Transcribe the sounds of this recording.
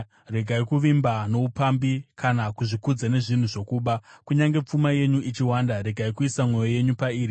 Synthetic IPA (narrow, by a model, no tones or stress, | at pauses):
re̞ɡʱaikuʋimbano̞upambikʰanakuʐikud͡zane̞ʐin̤uʐo̞kuːɓakuɲaŋɡe̞p͡fumaje̞ɲuʔit͡ʃiwaːndaɾe̞ɡʱaikuisamwo̞jo̞je̞ɲupaiːɾi